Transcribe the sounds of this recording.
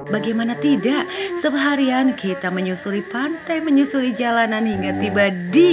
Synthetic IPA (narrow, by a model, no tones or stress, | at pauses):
baɡajmanat̪idaʔsəbəɦaɾiankʰit̪aməɲusuɾipant̪ajməɲusuɾid͡ʒalananhiŋɡat̪ibadi